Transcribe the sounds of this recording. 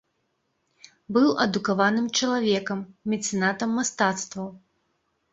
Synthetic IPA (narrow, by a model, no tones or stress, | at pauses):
bɨwʔɐd̪ukavanɨmt͡ʂɐlˠavʲɛkɐmmʲɛt̪sɨnat̪ɐmːast̪at̪st̪vɐw